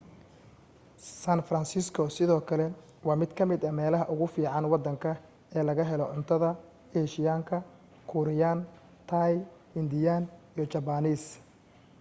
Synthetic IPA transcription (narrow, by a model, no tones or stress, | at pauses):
sanfrɐnsɪskʰɔsɪðɔːkʰɐlɛ | wɑːmɪd̪kʰɐmɪd̪ɐmɛːlɐɦɐʔʊɣʊfiːʕɑnwɑd̪ːɐŋkʰɐ | ɛːlɐɣɐɦɛlɔʕʊnt̪ʰɐðɐ | ɛːʃɪjaːŋkʰɐ | kʰʊɾɪjan | t̪ʰaj | ɪnd̪ɪjaːnijɞt͡ʃɐbɐniːs